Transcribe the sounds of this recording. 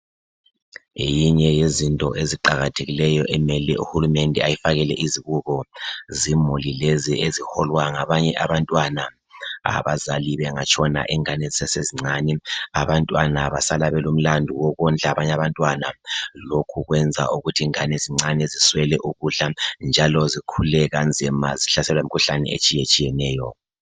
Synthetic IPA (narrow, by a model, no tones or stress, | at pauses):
ḛjiɲɛjezintʼɔ̰ʔeziǃaɣatʰeɣilɛjɔʔɛmɛlɛ̰ʔṵhulumɛndʱɛ̰ajifaɣɛlɛʔiziβuɣɔzimulileziʔezihɔlwaŋaβaɲɛʔaβantʼwana | a̰βazaliβɛŋat͡ʃʰʼɔna̰ʔɛŋanɛsɛseziŋ͡ǀʱanɛaβantʼwanaβasalaβɛlum̩landʱuwɔɣɔnd͡ɮʱaβaɲaβantʼwanalokʰuɣwɛnd͡zʱa̰uɣutʰiŋaneziŋ͡ǀanɛziswɛlɛʔuɣuɬand͡ʒʱalɔzikʰulɛɣand͡zʱimaziɬasɛlwimikʰuɬanɛ̰ḛt͡ʃʼijet͡ʃʼijɛnɛːjɔ